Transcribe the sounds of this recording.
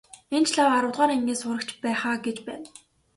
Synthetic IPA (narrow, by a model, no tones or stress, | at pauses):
ent͡ɕʰɮawaɾʊːt̪ʁaːɾemɡʲeːsʊɾə̆kt͡ɕpæːχaːɡet͡ɕpæ̰ːn